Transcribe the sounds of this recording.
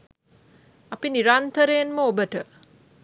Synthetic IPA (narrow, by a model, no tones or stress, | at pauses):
apiniɾant̪əɾeːnməobəʈə